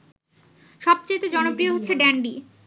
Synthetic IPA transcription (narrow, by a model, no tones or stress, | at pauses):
ʃɔb̚t͡ɕaet̪od͡ʑɔnopɾioɦot̪ːɕʰeɖɛɳɖi